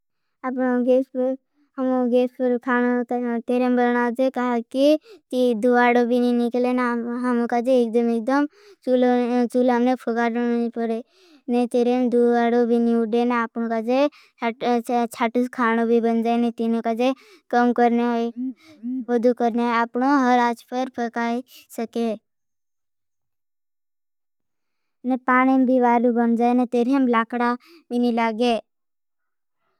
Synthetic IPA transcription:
apnoɡeːspəɾ | ɦəmoɡeːspəɾkʰaːnot̪t̪eɾembəlnad͡ʒekaɦakit̪id̪uaːɽobʱininɪklenaɦəmokad͡ʒeːk̚d̪əmek̚d̪əm | t͡ʃult͡ʃulamnepʰoɡaɾipəɽe | net̪eɾemd̪uaːɽobʱiniʊɖenapnõkad͡ʒe | t͡ʃʰaːʈuskʰaːnobʱibənd͡ʒaːenet̪inõkad͡ʒe | kəmkəɾne | ɦod̪ukəɾneaaːpnõɦəɾaːt͡ʃpəɾpʰəkaːisəke | nepaːɽ̃imbʱiʋaːɾubənd͡ʒaːenet̪eːɾemlaːkɽa | binilaːɡe

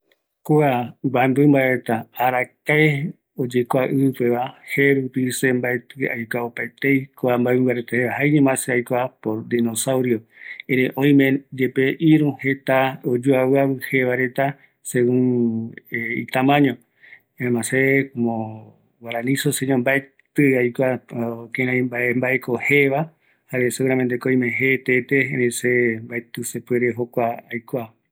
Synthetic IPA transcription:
kuabaembɨmbaeet̪aaɾakae | od͡ʒekʷaʔɨpeβaheɾupisembaet̪ɨa̰jkʷaopaet̪ejkoambaeβɨ̃mbaɾet̪aheβahaiɲẽmãseajkʷapoɾd̪inosawɾioeɾeʔõj̃mẽd͡ʒepeʔiɾũhe̞t̪aod͡ʒoaβɨaβɨheβaɾe̞t̪a | seɣũŋeḭt̪ãmãɲõ | ẽmãsekomõ | waɾãnĩsoseɲõmbae | t̪ɨajkʷakẽɾãbaembaʔekoheʋa | haɾeseɣuɾament̪̬ekoj̃mẽɦet̪et̪eeɾesembaet̪ɨsepweɾeɦokʷaːjkʷa

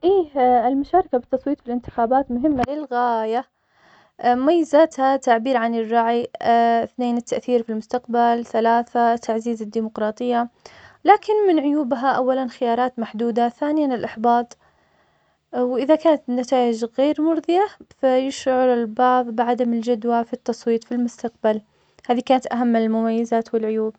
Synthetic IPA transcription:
ʔiːɪlmʊʃaːɾˤɑkabɪt̪ːɑsˤwiːt̪bɪlʔɪnt̪ɪ̥xaːbaːt̪mʊɦɪmːalɪlɣaːja | majːazat̪hat̪aʕbiːɾʕanɪrˤːɑʕiθneːnɪt̪ːaʔθiːɾfilmʊst̪aqbalθalaːθat̪ʰaʕziːzɪd̪ːiːmʊqɾˤɑːt̪ˤɨjːalaːkɪnmɪnʕʊjuːbɦaʔawːalanxɪjɑːɾˤɑːt̪maħd̪uːd̪aθaːnɪjanɪlʔɑħbɑːt̪ˤ | wʔɪðakaːnat̪nat̪aːʔɪd͡ʒɣeːɾmʊɾˤðˤɨjafajɪʃʕʊɾalbɑʕðˤbɪʕad̪amɪld͡ʒad̪wafit̪ːɑsˤwiːt̪ˤfilmʊst̪aq̚bal | haːðikaːnat̪ʔaɦamːɪlmʊmajːɪzaːt̪wɪlʕʊjuːb

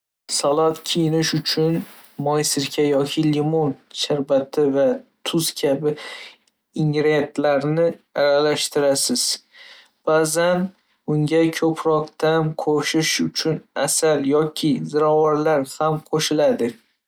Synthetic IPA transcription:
salˠat̪kʲʰijɪnɪʃʊt͡ʃʰʊn | mɒjsɪɾkʲʰajɒkʲʰɪlimonʃaɾbat̪ʰɪvat̪ʰʊz̥kʲʰabɪ | ɪŋɾet̪laɾnɪaɾalaʃt̪ɪɾasɪz̥ | b̥azan | ʊŋɡʲakʲʰɵpʰɾɒqt̪amqʰoʃɪʃʊt͡ʃʰʊnasaljɒkʲʰɪzɪɾɒwaɾlaɾhamqʰoʃɪlad̪ɪ

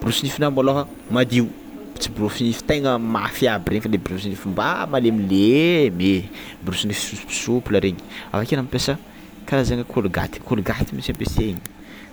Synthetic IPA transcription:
biɾusinifinambaloɦə | mad̪iw | t͡sibrusinifi̥t̪ejŋəmafiabiɾeɲifalebɾusinifimbamalemileme | biɾusinifi̥suspi̥supuləɾeɲi̥a̰fakenamipesə | kalazeŋəkʰoluɡa̰t̪i̥kʰoluɡat̪imit͡sampeseɲi

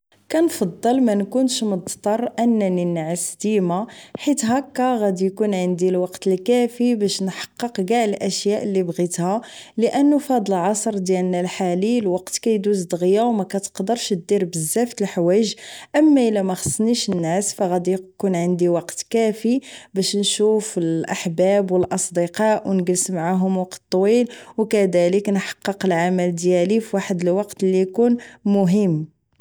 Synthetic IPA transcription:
kænfɑd̪ˤːəlmænkʊnʃmʊd̪ˤt̪ˤɑrˤʔənːæninʕəsd̪imaħit̪ɦækːæɣæd̪ijkunʕənd̪ilwɑqt̪əlkæfibæʃnħɑ̥qːəqɡaʕəlʔæʃjæʔəlːibɣit̪hæləʔənːufɑd̪ˤəlʕɑsˤɾˤd̪jælnælħalilwɑqt̪kæjd̪uzd̪ɣjawmækæt̪ə̥qd̪əɾˤʃd̪iɾbəzːæft̪əlħwæʒʔəmːæʔəlæmæxə̥sˤːniʃənːæsfæɣæd̪ijkunʕənd̪iwɑqt̪kæfibæʃnʃufəlʔaħbæbwəlʔɑsˤd̪əqɑʔwnɡəlsmaʕaɦʊmwɑqt̪t̪ˤːwilwkæd̪æləknħɑ̥qːəqəlʕaməld̪jælifiwaħəd̪əlwɑqt̪lːijkunmʊɦəmː

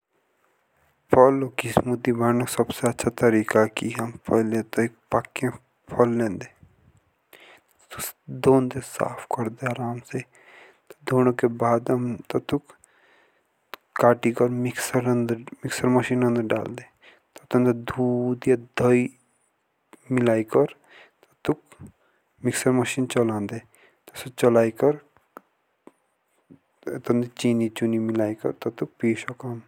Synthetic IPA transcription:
pʰɔlːokismʊd̪ːibaːnosɐbseɐtːʃʰat̪ɐɾiːkakiɦɐmpʰɐɦlet̪oik̚pakːẽ | pʰɐlːẽːnd̪e | t̪ | t̪ukd̪oːnd̪esa̰ːpʰkɐɾd̪eaːɾaːmse | t̪od̪oːnõkebaːd̪ɐmt̪ɐt̪uk | kaːʈikɔɾmɪksəɾɐ̃nd̪əɾmiksəɾmɐʃiːnɐ̃nd̪əɾɖa̰ːld̪e | t̪ɔt̪ɐ̃nd̪ed̪ʱuːd̪jad̪ʱəi | milaːikəɾ | t̪ɐt̪uk | miksəɾmɐʃiːnt͡ʃɐlãːnd̪e | t̪ɔsot͡ʃɐlaːikəɾ | t̪ɐ̃nd̪et͡ʃiːnit͡ʃunimilaːikɐ̰ɾt̪ɐt̪uk̚piːʃokam

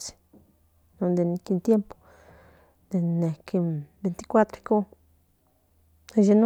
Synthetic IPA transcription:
t͡si̥ | nõnd̪enkint̪jempo̥ | d̪enekebent̪i̥kʷat̪ɾeko | eʒen

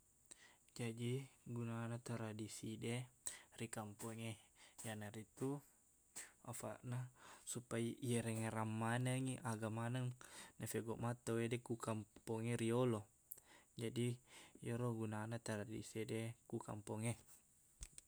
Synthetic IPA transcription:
d͡ʒadiɡunanat̪aɾadisidɛrikampɔŋejanaɾit̪u | a̰fa̰ʔnasupaijeɾɛŋeɾamːanəŋiʔaɡamanəŋnafɛɡɔʔmat̪awedɛkukampɔŋeɾiolo | d͡ʒadijoɾoɡunanat̪aɾadḭsedekuka̰mpɔŋe

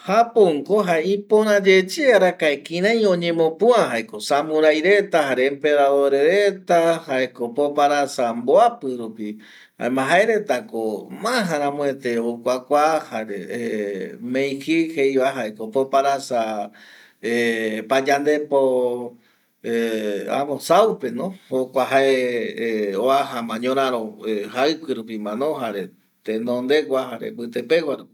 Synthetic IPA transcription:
hapoŋkoɦaeĩpõɾ̃ãd͡ʒet͡ʃeaɾakaekĩɾ̃ãj̃õɲẽ̞mõ̞pũãɦaekosamũɾajɾe̞t̪ahaɾeːmpeɾaðoɾeɾet̪ahaekopopaɾasamboapɨɾupi | ha̰emãɦaeɾe̞t̪akomãɦãɾãmõet̪eokʷakʷahaɾḛemẽj̃hihejβaɦaekopopaɾasa | epad͡ʒand̪e̞po | ea̰mõsawpe̞nõhokʷaɦae | oaɦamãɲõɾãɾõehaɨkɨɾup̬imãnõɦaɾe | t̪enõnd̪e̞kʷahaɾḛbɨt̪epewaɾupi

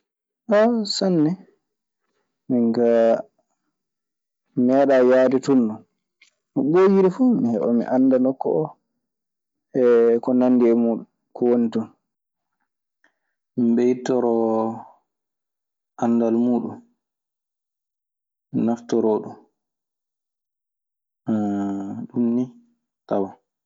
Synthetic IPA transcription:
ʔɔsanːɛ | miŋɡa | mɛɗajaːditunːɔn | mɔɓojiɾifumihɛɓa̰mḭʔanːdanɔkːɔʔɔ | ɛkɔnanːdiɛmuːɗum | kɔwonitun | miɓɛjitːɔɾɔ | ʔanːdalmuːɗum | naftɔɾɔːɗum | ɗumni | tawa

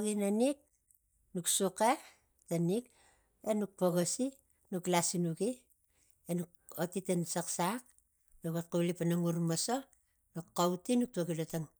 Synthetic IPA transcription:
ɡinanik̚ | nuksuke | tanik | enuk̚poɡosi | nuklasinuɡi | enuk̚ | otitensaksak̚ | nukot̚kulipanaŋuɾmaso | nukːawtinuk̚tuoɡilotaŋ

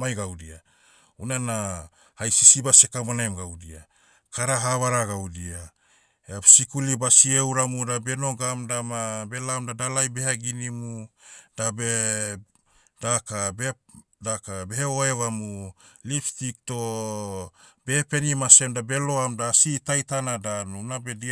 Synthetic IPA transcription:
majɡawdia̰ | unana | hajsisibasekamanaemɡawdia | kaɾaɦaβaɾaɡawdia | easikulibasiewɾamudabe̞no̞ɡamdamabe̞lamdadalajbehaɡinimud̥abe | d̥akabe | dakabeheoeβamuliftik̚to̞ | b̥epe̞nimase̞mdabe̞lo̞amdasitajtanadanunabe̞di

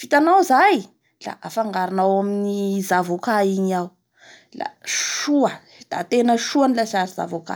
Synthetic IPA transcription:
fit̪anawzaj | la̰ʔafaŋɡaɾanawaminizavokaiɲiaw | la̰ʃuə | d̪̥a̰t̪enəʃuanilasaziza̰voka̰

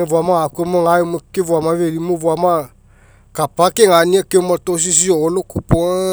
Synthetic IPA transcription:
evuamaakuemoŋajumokevuamaveɾimovuama | kapakeŋaniakeumatos̬is̬ioolokupo

